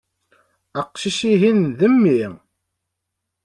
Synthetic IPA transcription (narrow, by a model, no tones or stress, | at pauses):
əqʃiʃiɦinðəmːi